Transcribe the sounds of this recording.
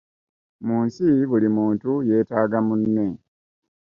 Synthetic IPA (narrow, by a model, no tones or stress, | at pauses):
muːnsiβulimuːntuje̞ːtaːɡamunːe̞